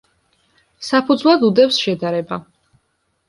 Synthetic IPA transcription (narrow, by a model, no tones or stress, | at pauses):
sapʰud̪zwlˠad̪ud̪ɛpsʃɛd̪aɾɛba